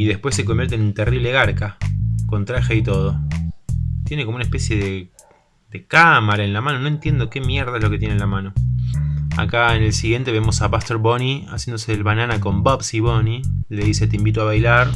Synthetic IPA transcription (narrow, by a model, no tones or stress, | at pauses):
iðe̞hpwesːe̞k̬ombjeɾt̪enunt̪eriβleɣaɾkako̞nt̪ɾaxeit̪o̞ð̞o | t̪jenekomounaehpesje̞ðe | d̪ekamaɾaenlamano̞noe̞nt̪je̞nd̪o̞kemjeɾð̞aeslo̞ket̪je̞nenlamãno̞ | a̰kaene̞lsiɣje̞nt̪eβemo̞saβast̪eɾβonia̰sjend̪oseelβananako̞mbopsiβonile̞ðise̞t̪eimbit̪oaβajlaɾ